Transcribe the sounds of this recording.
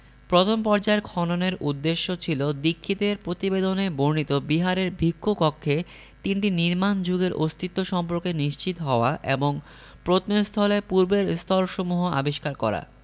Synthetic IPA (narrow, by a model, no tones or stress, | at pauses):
pɾot̪ʰompɔɾd͡ʑaeɾkʰɔnoneɾud̪ːeʃːot͡ɕʰilod̪ikʰːit̪eɾpɾot̪ibed̪oneboɾnit̪obiɦaɾeɾbʱikːokɔkʰːe | t̪inʈiniɾmand͡ʑuɡeɾʔost̪ʰit̪ːoʃɔmp̬oɾkeniʃt͡ɕit̪oɦɔoaʔeboŋ | pɾot̪nost̪ʰɔlepuɾbeɾst̪ʰɔlʃomuɦoa̰biʃkaɾkɔ̰ɾa̰